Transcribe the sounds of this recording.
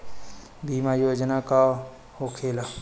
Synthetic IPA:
bʱiːmajoːd͡ʒnaka | hoːkʰeːla

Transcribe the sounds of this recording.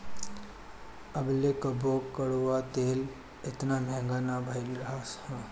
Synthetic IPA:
əblekəbʱoːkːəɽuat̪eːl | ɪt̪namɛ̃ːŋɡaːnabʱəɪlɾɦashɛ̃

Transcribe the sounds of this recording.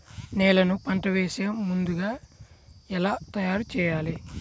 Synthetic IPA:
nɛːlɐnupɐɳʈɐʋeːseːmund̪uɡaː | ɛlaːt̪ɐjaːɾut͡ʃɛːjaːli

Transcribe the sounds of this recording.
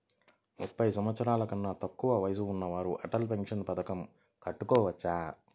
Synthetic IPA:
mupːɐjsɐmʋɐt̪sɐɾaːlɐkɐnːaːt̪ɐkːuʋɐʋɐjɐs̬uːnːɐʋaːɾuʔɐ̰ʈɐlpeŋkʂɐnpɐd̪ɐkɐm | kɐʈːukɔːʋɐt͡ʃːaː

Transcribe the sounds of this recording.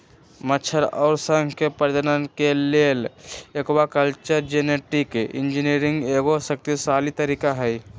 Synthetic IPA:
mət͡ʃʰəɾɔ̰ʊɾsəŋɡʱkepəɾd̪nənkelelekbakəlt͡ʃəɾd͡ʒeneʈikind͡ʒiniɾiŋɡeɡosək̚t̪isalit̪əɾikaɦəj

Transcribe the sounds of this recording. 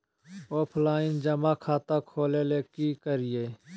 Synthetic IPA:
oːpʰlaːɪnd͡ʒəmaːkʰaːt̪akʰoːleːleːkikəɾɪeː

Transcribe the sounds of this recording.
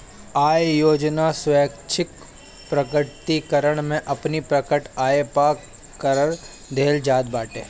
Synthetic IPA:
aːjjoːd͡ʒnasʋɛːkt͡ʃʰɪk | pɾɐkət̪ikəɾəɽ̃mẽʔɐpnipɾɐkəʈaːepak | kəɾəɽ | d̪ʱeːld͡ʒaːd̪̚baːʈḛː

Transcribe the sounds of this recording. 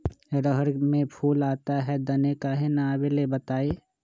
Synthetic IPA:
ɾəɦəɾmẽpʰuːlaːt̪aɦɛd̪ɐnekaɦenaːbelebət̪aːe

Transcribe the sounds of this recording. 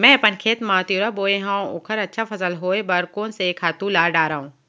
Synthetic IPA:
mɛ̃ːpənkʰeːt̪mãːt̪juːɾaboːeɦãːʊ̰kʰəɾɐtːʃʰafʰɐsəlɦoːebɐɾkoːnsekʰaːt̪ũlaːɾɖaːɾaːũː

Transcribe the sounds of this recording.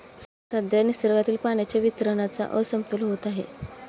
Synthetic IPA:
sət̪ad̪janisəɾɡat̪iːlpaɳjat͡ɕjaʋit̪ɾənat͡sa̰ʔə̰səmt̪ulɦot̪aɦḛ

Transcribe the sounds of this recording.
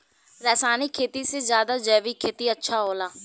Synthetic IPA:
ɾɛːsaːniːkʰːeːt̪iːseːzjaːd̪aːd͡ʒɛːʋiːkʰeːt̪iːətːʃʰaːɦoːlaː

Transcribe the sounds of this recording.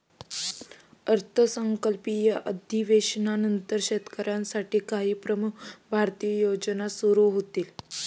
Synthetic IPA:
əɾt̪ʰəsəŋkəlpijəʔəd̪ʱiʋeɕnanənt̪əɾɕet̪kəɾãnsaʈiːkaɦiːpɾəmukbʱaɾt̪ijəjod͡ʑnasuɾuɦot̪iːl

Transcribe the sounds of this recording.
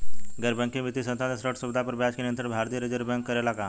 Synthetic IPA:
ɡəɾbə̃ŋkĩmit̪isənt̪ad̪esɾoʈsubd̪ʱapəɾbat͡ɕkinjənt̪ɾəʈbʱaɾt̪ijəɾed͡ʑəɾbəŋkːəɾelaka

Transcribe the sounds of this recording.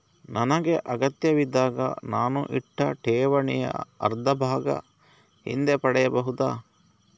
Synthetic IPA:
nɐnɐɡeʔɐɡɐt̪jɐʋid̪aːɡɐ̰naːnṵʔiʈːɐʈʰɛːʋɐɳɛjɐ̰ɐ̰ɾd̪ʱɐbʱaːɡɐ̰ | hḭnd̪epɐɽɛjɐbɐɦud̪a̰ː

